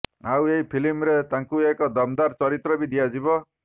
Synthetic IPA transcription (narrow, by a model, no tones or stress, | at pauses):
aweɦipʰilimɾet̪aŋkuekɔd̪ɔmd̪aɾt͡ʃɔɾit̪ɾɔbid̪iad͡ʒibɔ